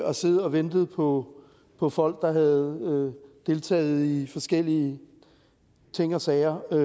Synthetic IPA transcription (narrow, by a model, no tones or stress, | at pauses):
ɒ̽seð̩ˠɒ̽ʋend̥ð̞̩ˠpʰɒ̽ | pʰɒ̽fɒ̽l̰ɡ̥̚d̥ɑ̈ɦæð̩ˠød̥e̝lt͡sʰɛ̰ːð̞̩ˠifɒ̽sɡ̥el̰iə | t͡sʰe̝ŋ̰ɒsɛɪɐ